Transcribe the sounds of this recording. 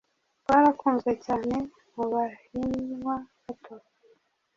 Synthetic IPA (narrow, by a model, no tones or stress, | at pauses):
waɾakuːnzɡe̞caːne̞ | muβahinwaβatʰaβa